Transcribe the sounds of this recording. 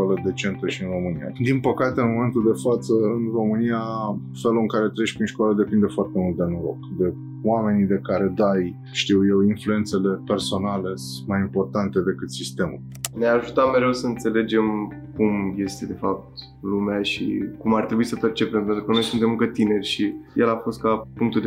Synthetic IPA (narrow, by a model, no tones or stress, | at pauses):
kwaləd̪e̞t͡ʃe̞nt̪əʃiɨnro̞mɨnija̰d̪inpəkat̪eɨnmo̞me̞nt̪uld̪e̞fat̪səɨnro̞mɨnia | fe̞luɨŋkaɾet̪ɾeʃpɾinʃkoaləd̪e̞pind̪e̞foart̪e̞mult̪̚d̪e̞noɾo̞̰kd̪e̞ | wame̞nid̪e̞kaɾe̞d̪aj | ʃt̪iwje̞winflue̞nt̪se̞le̞pe̞rso̞nale̞ | majimpo̞rt̪ant̪e̞d̪e̞kɨt̪sist̪e̞mṵl | neaʒut̪ame̞ɾe̞wsəɨnt̪se̞le̞d͡ʒe̞m | kumje̞st̪e̞d̪e̞fap̚t̪ | lumeaʃḭkumart̪ɾebuisəpert͡ʃe̞pempent̪ɾukəno̞jsunt̪e̞mɨŋkət̪ine̞rʲʃijʔelafo̞st̪̚kapuŋk̚t̪uld̪